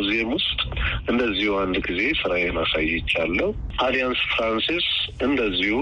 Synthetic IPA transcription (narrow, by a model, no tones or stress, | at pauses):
ziemwʊst̪ʼʔɨnd̪əzːihuand̪ɡize̞sɨɾajɛnasa̰jːɛt͡ʃːalːəhu | ʔʰalijansfɾansisɨnd̪əzːihu